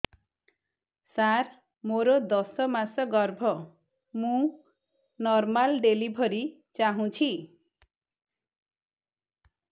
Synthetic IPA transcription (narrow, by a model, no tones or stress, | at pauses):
sar | moɾod̪ʌsʌmasʌɡʌrbʱʌ | mũ | nʌrmalɖelibʱʌɾi | t͡saɦũt͡sʰi